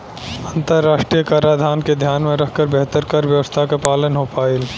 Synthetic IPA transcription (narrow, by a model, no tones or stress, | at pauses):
ə̃nt̪əɾːaːʃʈɾijəkaɾad̪ʱaːnked̪ʱjaːnmẽɾɐkʰkəɾbɛɦt̪əɾkɐɾʋjɐʋəst̪ʰakapaːlənɦopaːɪl